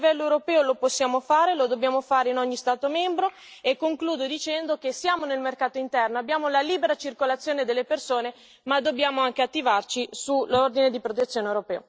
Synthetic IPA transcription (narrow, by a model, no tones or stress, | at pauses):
vɛlːoewɾopɛːoloposːjaːmofaːɾelod̪objaːmofaːɾeinɔɲːist̪aːt̪omɛmbɾo | ekːoŋkluːd̪od̪it͡ʃɛnd̪okesːjaːmonelmerkaːt̪oint̪ɛrnoabːjaːmolaliːbeɾat͡ʃirkolat̪sːjoːned̪elːepersoːne | mad̪ːobjaːmoaŋkeat̪ːivart͡ʃisulord̪ined̪ipɾot̪et̪sːjoːnewɾopɛːo